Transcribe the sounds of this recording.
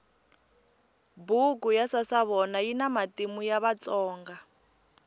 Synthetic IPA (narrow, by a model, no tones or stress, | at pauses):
bukujasasaβɔnajinamatimujaβat͡sɔːŋɡa